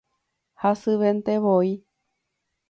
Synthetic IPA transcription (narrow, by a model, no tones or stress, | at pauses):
hasɨʋent̪eʋoi